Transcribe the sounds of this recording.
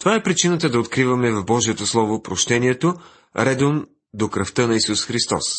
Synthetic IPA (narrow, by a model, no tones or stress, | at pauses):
t̪ovaɛpɾit͡ʃinət̪əd̪ɐot̪kɾivɐmɛvɐvbɔʒiɛt̪oslˠɔvopɾoʃt̪ɛniɛt̪o | ɾɛd̪om | d̪okɾəft̪ənɐisusxɾist̪ɔ̰s